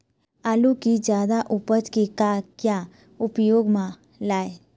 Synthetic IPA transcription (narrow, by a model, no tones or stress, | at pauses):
alukid͡ʒjad̪aʔupət͡ʃkikakja | ʊpjoːɡmã | lae